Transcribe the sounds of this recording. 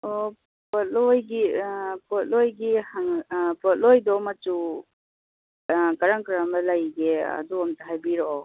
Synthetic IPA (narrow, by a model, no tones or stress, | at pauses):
ɔ | pɔt̚lojɡipɔt̚lojɡihaŋpɔt̚lojdɔmatu | kaɾaŋkɾamɐlajɡea̰duɔmtaɦajbiɾoɔ